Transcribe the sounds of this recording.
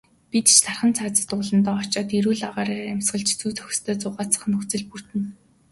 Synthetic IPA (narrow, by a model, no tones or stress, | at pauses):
pʲit̪t͡ɕt̪ʰarχə̆nt͡sʰaːt͡sə̥̆t̪ʊːɮə̆nt̪ɔːɔt͡ɕaːt̪iɾuːɮaʁaːɾaːɾræmsɢə̆ɮt͡ɕt͡suːt͡sʰœ̥x̆ʲst̪ʰœːt͡sʊːʁaːt͡sʰḁ̆χnɵxt͡sɘ̆ɮpur̥t̪ɘ̆n